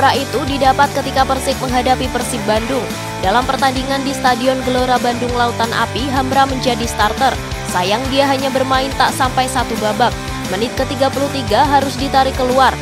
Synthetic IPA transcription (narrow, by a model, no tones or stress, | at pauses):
ɾait̪udidapat̪̚kət̪ikapərsɪk̚məŋɦadapipərsɪk̚bandʊŋ | dalampərt̪andiŋandist̪adiɔnɡəloɾabandʊŋlaut̪anʔa̰piɦamɾaməɲd͡ʒadist̪art̪ər | sajaŋdiaɦaɲabərmaɪnt̪aʔsampajsat̪ubabak̚ | mənɪt̪̚kət̪iɡapuluht̪iɡaɦaɾʊsdit̪aɾikəluar